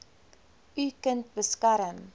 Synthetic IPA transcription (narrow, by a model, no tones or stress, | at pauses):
ʔykənt̚bəskɐɾəm